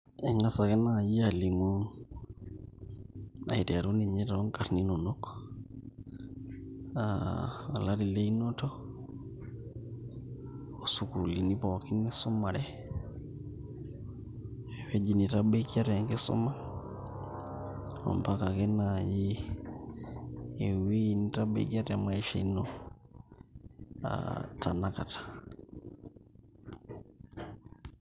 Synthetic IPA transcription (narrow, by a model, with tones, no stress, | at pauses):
ɛŋa˦sa˨kɛ˦naji˦ali˨mo | a̰˨i˨tɛa˨ɾu˦ni˨ɲɛ˦ɾao˦ŋka˨ɾni˦no˨nok | aa˨la˦ɾi˨le˦i˦no˦tɔ˦ | su˨ku˨li˨ni˦pɔ˨ki˦ni˦su˦ma˨ɾɛ˦ | wɛ˦d͡ʒi˨ni˨tabe˦ki˦a˦ɾɛ˨ŋke˦sɔ̰˦ma˦ | ɔ̰˨mpa˦kakɛ˦naji˦˨ | wi˦ni˦ta˦bḛ˦ki˦a˦tama˦i˦ʃai˦nɔ | a̰tanaka˨tḁ